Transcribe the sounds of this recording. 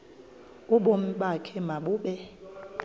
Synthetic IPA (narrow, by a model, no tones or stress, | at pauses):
uɓom̩ɓakʰɛmaɓuːɓɛ